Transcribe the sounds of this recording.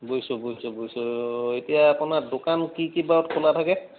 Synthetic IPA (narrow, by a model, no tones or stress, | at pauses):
bojsɔbojsʊbojsɔetijaːpʊnadokankikibaɔtkʰolatʰakɛ